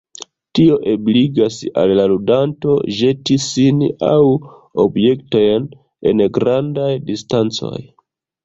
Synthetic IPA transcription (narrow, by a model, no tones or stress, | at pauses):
tio̞ʔe̞bliɡasa̰lːaludanto̞̰ʒe̞tisina̰w | o̞̰bje̞kto̞jn | e̞̰nɡɾandajdistant͡so̞̰j